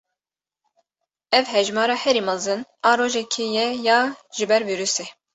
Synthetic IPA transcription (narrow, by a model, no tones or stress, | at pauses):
ɛvhɛʒmɑːɾɑːhɛɾiːmɨzɨnɑːɾoːʒɛkʰijɛjɑːʒ̥ɪbɛɾviːɾyse